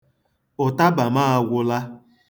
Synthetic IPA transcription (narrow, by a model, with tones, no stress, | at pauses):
ʊ˨ta˦ba˨maː˦a˨ɡʷʊ˦la˦